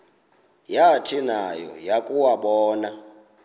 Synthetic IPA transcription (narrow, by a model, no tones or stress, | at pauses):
jatʰinajɔ̰jakʼuwaɓɔːna